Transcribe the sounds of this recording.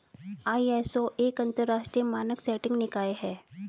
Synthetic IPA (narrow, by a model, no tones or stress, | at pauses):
aːiɛːsoʔeːkɐ̃nt̪əɾːaːʃʈɾijəmaːnəksɛːʈɪ̃ŋɡnɪkaːeɦɛː